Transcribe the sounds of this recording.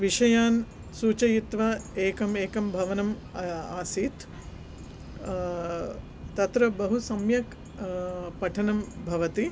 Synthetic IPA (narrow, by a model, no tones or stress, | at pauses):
ʋiʂɐjaːn | suːt͡ʃɐjit̪ʋɐeːkɐmeːkɐmbʱɐʋɐnɐm | aːsiːt̪ | t̪ɐt̪ɾɐbɐɦusɐmjɐk | pɐʈʰɐnɐmbʱɐʋɐt̪i